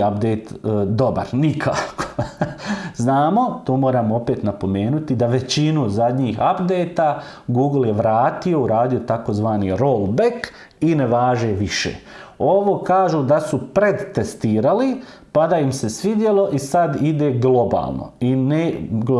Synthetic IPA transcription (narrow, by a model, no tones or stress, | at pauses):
ap̚d̪ejt̪d̪o̞ba̰ɾnikʰaːko̥ | znaːmo̞t̪oːmoːɾaːmope̞ːt̪napo̞me̞ːnut̪id̪aʋe̞t͡ɕinuzad̪ɲiːxapd̪e̞jt̪a | ɡuːɡlˠjeʋɾaːt̪io̞uɾaːd̪io̞t̪ako̞zʋaːniɾo̞ːlˠbek | ine̞ʋaːʒe̞ʋiʃḛː | o̞ʋo̞ːkaːʒud̪asupɾe̞d̪t̪est̪iːɾali | pad̪aimse̞sʋid̪jelo̞ʔisad̪id̪e̞ːɡlˠo̞ba̰ːlˠno̰ine